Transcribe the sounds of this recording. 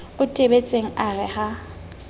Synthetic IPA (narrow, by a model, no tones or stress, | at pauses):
ʊtʼebet͡sʼeŋ̩arɪha